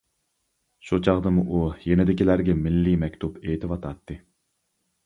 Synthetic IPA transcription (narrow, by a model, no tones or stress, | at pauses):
ʃut͡ʃʰɑʁd̪ɨmuʔujenɪd̪ɪkʲilæɾɡʲɛmɪlːimɛkʲt̪ʰupʰet̪ʰɪwɑt̪ʰɑt̪ːɨ